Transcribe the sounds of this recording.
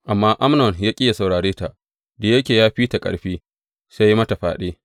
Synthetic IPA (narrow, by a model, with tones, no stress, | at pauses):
ʔa˨mːaː˦ʔa˦mnɔ˨njaː˦kʲʼɪ˦ja˨sa˨wɽaː˨ɽeː˦ta˨ʔ | da˨jɐ˦kʲeː˨jaː˦ɸiː˦ta˨kʼɐ̰˨ɽɸiː˦ | sa˦ji˦mɐ˦ta˨ɸaː˨ɗeː˦